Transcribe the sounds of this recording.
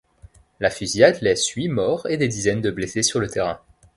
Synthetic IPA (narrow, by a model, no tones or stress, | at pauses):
lafyzjad̪lɛsɥimɔʁed̪ed̪izɛnd̪əblesesyʁlət̪eʁɛ̃